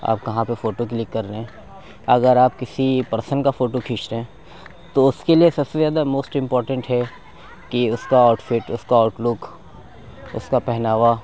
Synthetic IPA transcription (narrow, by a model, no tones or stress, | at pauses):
a̰ːp̚kɐɦãpefoːʈok̬lɪkːɐɾeɦɛ̃ | ɐɡəɾaːp̚kɪsipɐɾsənkafoːʈokʰɪːt͡ʃɾeɦɛ̃ː | t̪oʊskeliesɐbsezjaːd̪amoːsʈɪ̃mpɔːɾʈə̃ɳʈɦɛ | kiʊskaaʊʈfɪʈʊskaaːʈlʊk | ʊ̰skapɛɦnaːʋa